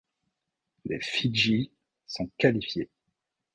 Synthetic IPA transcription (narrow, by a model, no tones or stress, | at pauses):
lefiʒi | sɔ̃kalifje